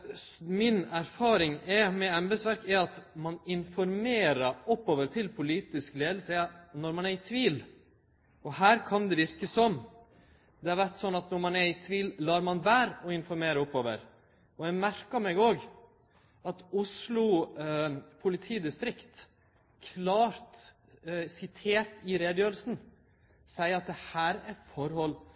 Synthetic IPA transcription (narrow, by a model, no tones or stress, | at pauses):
mɪnæɾfɑːɾɪŋɛmɛɛmbɛsʋæɾkɛɑt̪mɑnɪnfɔɾmeːɾəɾɔpːoːʋəɾt̪ʰɪlpʰʊliːt̪ɪskleːd̪l̩sənɔɾmɑnæɾɪt̪ʰʋiːl | ɔhæːɾkʰɑnd̪ɛʋɪɾkəsɔm | d̪ɛɑɾʋæʈsɔnːɑt̪nɔɾmɑnæɾɪt̪ʰʋiːllɑːɾmɑnʋæːɾɔɪnfɔɾmeːɾəʊpːoːʋə̰ɾ | ɔjæmæɾkəmɛɡoːɡ | ɑt̪ʊslʊ | pʰʊlɪt̪ʰiːd̪ɪst̪ɾɪkt̪ | kʰlɑːɾt̪ | sɪt̪ʰeːɾt̪ɪɾeːd̪jøːɾəlsn̩ | sæɪəɾɑt̪̚d̪ɛhæːɾæɾfɔɾhɔlː